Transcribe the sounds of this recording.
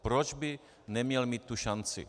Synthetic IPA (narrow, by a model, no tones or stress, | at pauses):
pɾod͡ʒbɪ | nɛmɲɛlmiːt̪ːuʃant͡sɪ̰